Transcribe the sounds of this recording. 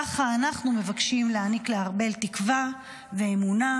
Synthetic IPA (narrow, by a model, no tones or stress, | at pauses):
aχaːnaχnume̞vakʃimleanikleaʁbe̞ltikva | veːmuna